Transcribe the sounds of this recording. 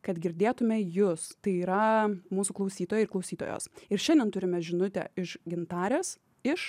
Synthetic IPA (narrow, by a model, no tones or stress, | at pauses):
kɐt̪ɡʲɪɾʲd̪ʲeːt̪ʊmʲɛjʊst̪ɐɪiːɾɐmuːsuːklˠɐʊsʲiːt̪oːjɛɪɾklˠɐʊsʲiːt̪o̰ːjo̰ːsɪɾʃʲɛ̃ndʲɛnt̪ʊɾʲɪmʲɛʒʲɪnʊt̪ʲɛ̰ɪʃɡʲɪnt̪ɑːɾʲeːs | ɪʃ